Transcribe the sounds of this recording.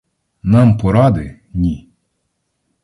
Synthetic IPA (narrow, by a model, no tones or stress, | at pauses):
nɑmpɔɾɑd̪ɪ | nʲi